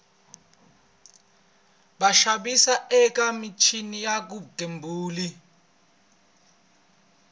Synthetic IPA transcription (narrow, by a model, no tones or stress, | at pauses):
ɓaʃaɓisaʔɛk̬ʼamit͡ʃʰinijak̬utʼembʱuːli